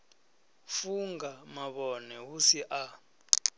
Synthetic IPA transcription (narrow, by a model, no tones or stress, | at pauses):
fuŋɡamaɓɔnɛwusiʔa